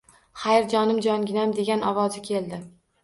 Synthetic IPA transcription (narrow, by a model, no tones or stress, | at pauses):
χajɾd͡ʒɒnɪmd͡ʒɒŋɡʲɪnamd̪e̞ɡʲanɒwɒzɪkʲʰe̞lˠd̪ɪ